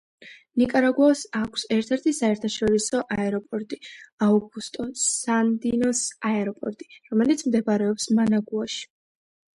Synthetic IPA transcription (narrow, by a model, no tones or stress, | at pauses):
nikʼaɾaɡwasakʷʰsɛɾt̪ʰɛɾt̪ʰisaɛɾt̪ʰaʃɔɾisɔʔaɛɾɔpʼɔɾt̪ʼiauɡust̪ʼɔsand̪inɔsaɛɾɔpʼɔ̰ɾt̪ʼi̥ɾɔmɛlit̪sʰmd̪ɛbɾɛɔpsmanaɡuaʃi̥